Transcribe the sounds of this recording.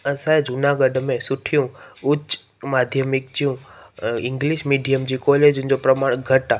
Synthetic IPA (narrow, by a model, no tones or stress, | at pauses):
ə̃saed͡ʑʱʊnaɡəɖmẽsʊʈʰijũʊt͡ɕ | maːd̪ʱjəmɪkd͡ʑijũɪ̃ŋɡliʃmiːɖijəmd͡ʑiːkɔled͡ʑʊ̃ɦɪ̃ɲd͡ʑopɾɐmaːɽ̃ɡʱɐʈa